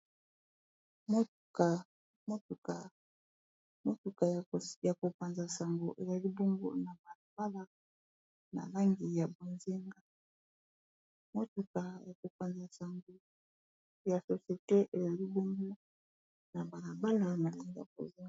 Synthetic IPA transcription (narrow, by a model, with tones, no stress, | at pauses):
mo˦tka˨ | mo˦tu˨ka˨ | mo˦tu˨ka˨ja˨ko˨pa˨nza˨sa˨ŋɡo˨ʔe˨za˨li˦bo˦ŋɡo̰˦na˨ba˨la˨ba˦la˨ | na̰˨la˦ŋɡi˨ja˨bo˨ze˦ŋɡa˨ | mo˦tu˨ka˨ja˨ko˨pa˨nza˨sa˨ŋɡo˨ | ja˨so˨sje˨te˦ʔe˨za˨li˦bo˦ŋɡo˦ | na˨ba˨la˨ba˦la˦na˨la˦ŋɡi˨ja˨bo̰˨ze˦ŋɡa˨